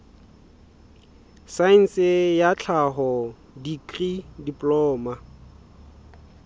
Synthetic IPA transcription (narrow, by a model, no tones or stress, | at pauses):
sain̩sɪjat͡ɬʰaɦɔ | dikridipʼlɔːma